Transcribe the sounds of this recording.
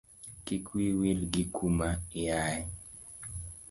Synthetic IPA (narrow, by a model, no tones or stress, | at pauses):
kikwiwilɡikʰumaɪaɛ